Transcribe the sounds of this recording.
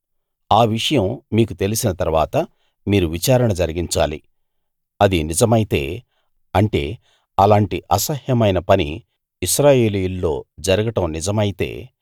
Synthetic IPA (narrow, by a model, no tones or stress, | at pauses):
aːʋiʂɐjɐmmiːk̬ut̪e̞lisinɐt̪ɐɾuʋa̰ːt̪ɐ | miːɾuʋit͡ʃaːɾɐɳɐd͡ʒɐɾiɡiɲt͡ʃa̰ːlḭ | ɐd̪inid͡ʒɐmɐjit̪e̞̰ː | ɐɳʈe̞̰ː | ɐlaːɳʈiʔɐsɐhjɐmɐjnɐpɐnḭ | iʃɾaːje̞ːlijulːo̞ːd͡ʒɐɾɐɡɐʈɐmnid͡ʒɐmɐjit̪e̞̰ː